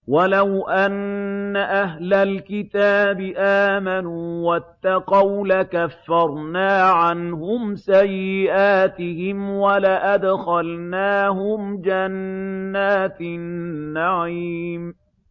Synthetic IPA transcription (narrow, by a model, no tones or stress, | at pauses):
walawʔanːaʔaɦlalkɪt̪aːbɪʔaːmanuːwat̪ːaqɑwlakafːɑɾˤnaːʕanhʊmsajːɪʔaːt̪ɪhɪmwalaʔad̪xalnaːɦʊmd͡ʒanːaːt̪ː | aʕiːm